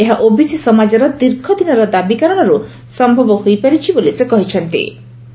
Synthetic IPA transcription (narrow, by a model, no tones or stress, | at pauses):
eɦaʔobisisɔmad͡ʒɔɾɔd̪iɾkʰɔd̪inɔɾɔd̪abikaɾɔɽ̃ɔɾu | sɔmbʱɔbɔɦojpaɾit͡ʃʰibolisekɔɦit͡ʃʰɔnt̪ḭ